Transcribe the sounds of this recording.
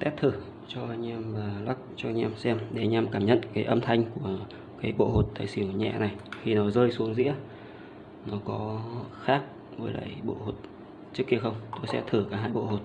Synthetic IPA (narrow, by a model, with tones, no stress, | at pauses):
t̪ɛ˦˥p̚t̪ʰɨ˧˩ | t͡ɕɔ˧ʔa˧jŋ̟ɛ˧mvaː˨˩la˦˥k̚t͡ɕɔ˧ɲɛ˧msɛ˧mɗe˧˩˨ɲa˧mkaː˧˩mɲə̰˧˨nkaː˨˦jʔə˧mt̪ʰa˧jŋ̟ku˧˩ə | kaː˨˦jɓo̰˧˨ho˨˩t̚t̪a̰ː˧˨jsi˨˧˩əɲɛ̰˧˨na˨˩jxi˧˩nɔ˨˦zəː˧jsu˨˦əŋzḭ˧˥ə | nɔ˨˦kɔ˨˦˧xaː˦˥k̚ | vo˨˦jla̰ː˧˩jɓo̰˧˨ho˨˩t̚ | t͡ɕɨ˦˥kːi˧əxə˧wŋ͡mt̪o˧jsɛ̰˧˥t̪ʰɨ˧˩kaː˨˦ɦaː˧jɓo̰˧˨ho˨˩t̚